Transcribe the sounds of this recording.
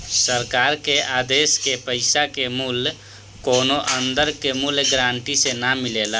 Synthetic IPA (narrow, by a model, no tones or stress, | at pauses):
səɾkaɾkead̪eskepəɪsakemul | konoʔənd̪əɾkemulɡɾaɳʈisenamilelə